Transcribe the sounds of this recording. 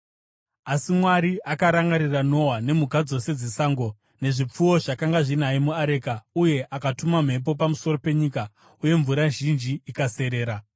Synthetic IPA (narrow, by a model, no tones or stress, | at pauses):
asimwaɾiakaɾaŋɡaɾirano̞wane̞mukad͡zo̞se̞d͡zisaːŋɡo̞ | ne̞ʐip͡fuo̞ʐakaŋɡaʐinaimuaɾe̞ːkauje̞ʔakatumam̤e̞p̬o̞p̬amuso̞ro̞pe̞ɲika | uje̞ɱvuɾaʒind͡ʒiikase̞ɾe̞ːɾa